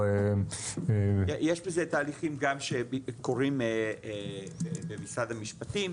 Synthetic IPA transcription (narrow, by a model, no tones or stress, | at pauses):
e | ejeʃbezet̪aːliχimɡamʃeko̞ʁime | ebemisad̪hamiʃpat̪im